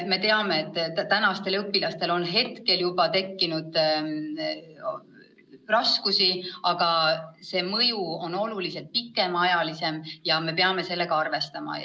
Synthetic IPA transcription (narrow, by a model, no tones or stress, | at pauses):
me̞t̪e̞ɑme̞ːt̪ːt̪ænɑst̪e̞lɤpːilɑst̪e̞lo̞nɦe̞t̪ke̞ljubɑt̪e̞kːinud̪̥ | rɑskusiɑɡ̥ɑse̞ːmɤjuo̞no̞lulise̞lt̪̚pikːˑe̞mɑjɑlise̞mjɑme̞pe̞ɑme̞se̞lːe̞ɡ̥ɑɑrve̞st̪ɑmɑ̰